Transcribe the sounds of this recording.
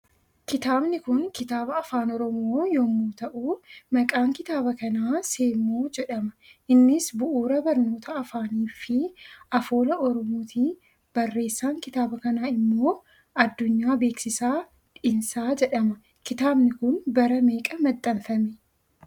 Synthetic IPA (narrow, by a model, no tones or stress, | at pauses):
kɪt̪aːbnɪkʊnkɪt̪aːbɐɐfaːnɔɾɔmoːjoːmuːt̪ɐʔuːmɐkʼaːŋkɪt̪aːbɐkɐnaːse̞ːmoːd͡ʒɛᶑɐmɐʔɪnːɪsbʊʔuːɾɐbɐɾno̞ːt̪ʰɐɐfaːniːfɪɐfo̞ːlɐɔɾɔmoːt̪ʰiː | b̥ɐrːe̞ːsːaːŋkɪt̪aːbɐkɐnaːɪmːo̞ː | ɐd̪ːʊɲːaːbe̞ːksɪsaː | ᶑɪnsaːd͡ʒɛᶑɐmɐ | kɪt̪aːbnɪkʊnbɐɾɐme̞ːkʼɐmɐt̪ʼːɐnfɐmɛ